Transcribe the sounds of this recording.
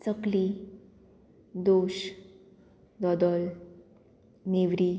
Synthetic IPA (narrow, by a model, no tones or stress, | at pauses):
t͡səkli | d̪oɕ | d̪ɔd̪ɔl | neʋɾi